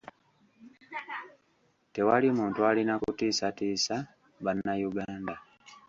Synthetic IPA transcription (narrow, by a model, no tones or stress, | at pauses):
te̞walimuːntualinakutiːsatiːsa | βanːajuɡaːnda